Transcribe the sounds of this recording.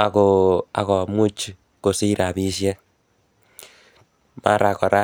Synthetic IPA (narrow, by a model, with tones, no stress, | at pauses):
a˨ko˨a˨ko˨mu˦t͡ʃi˦ | ko˨si˦ɾa˨βi˦sje˦ | ma̰˦˨ɾa˨ko˨ɾa˦